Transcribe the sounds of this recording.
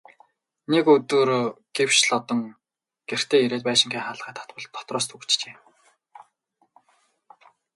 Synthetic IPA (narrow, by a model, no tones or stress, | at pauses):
nekɵt̪ɵ̆ːrɡ̥ew̥ʃɮɔt̪ɞ̆ŋ | ɡ̥er̥t̪ʰeːiɾeːt̪̚pæːʃɪ̆ŋɡʲiːŋχaɮχæːt̪ʰḁt̪̚pɞ̆ɮt̪ʰːɔ̥t̪rɔːs̬t̪ʰɵɣ̆ʰt͡ɕt͡ɕeː